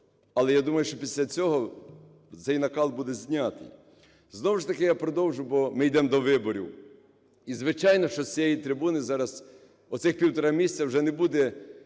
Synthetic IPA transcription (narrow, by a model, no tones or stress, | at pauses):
ɐlˠɛjad̪umɐjʊʃt͡ʃɔpʲisʲlʲɐt͡sʲɔɦɔ | sɛjnɐkɑlˠbud̪ɛzʲnʲat̪ɪ̰j | znɔwʊʃt̪ɐkɪjapɾɔd̪ɔwʒʊjbɔmɪjd̪ɛmd̪ɔʋɪbɔɾʲḭw | izʋɪt͡ʃɑjnɔʃt͡ʃɔsʲijejit̪ɾɪbunɪzɑɾɐz̥ | ɔt̪sɪxpʲiwt̪ɔɾɑmʲisʲt͡sʲɐwʒɛnɛbud̪ɛ